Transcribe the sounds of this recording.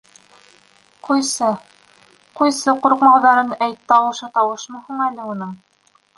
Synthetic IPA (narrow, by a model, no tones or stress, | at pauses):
qujsɤ | qujsɤquɾqmɑwðɑɾɤnæjt̪ːɑwɤ̆ʃɤt̪ɑwɤ̆ʃmɤhuɴælɘunɤm